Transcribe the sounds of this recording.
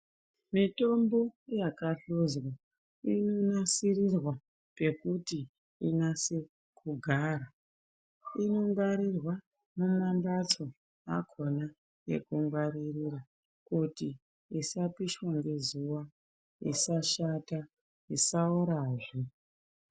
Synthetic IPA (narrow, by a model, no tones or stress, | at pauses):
mito̞mbo̞jakaɬuzwa | ino̞nasirirwa | pe̞kuti | inase̞ | kʰuɡʱaːɾa | ino̞ŋɡaɾirwa | mumambat͡so̞ | a̰kʰo̞na | jḛkuŋɡwaɾiriɾa | kuti | isapiʃwaŋɡe̞zuwa | ḭsaʃata | isaoɾaːʐe